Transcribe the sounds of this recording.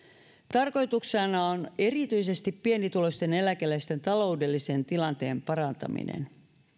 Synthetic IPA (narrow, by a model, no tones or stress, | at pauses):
t̪ɑrko̞jt̪uksɑnɑone̞rit̪yjse̞st̪ippienit̪ulo̞st̪e̞ne̞lækelæist̪e̞nt̪ɑlo̞wde̞lːise̞nt̪ilɑnt̪e̞ːmpɑrɑnt̪ɑ̰mḭnḛn